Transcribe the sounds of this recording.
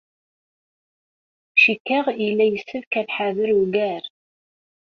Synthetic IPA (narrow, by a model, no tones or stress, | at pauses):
ʃikːæʁilːæjəsːəvkæðħaðəɾuɡæɾ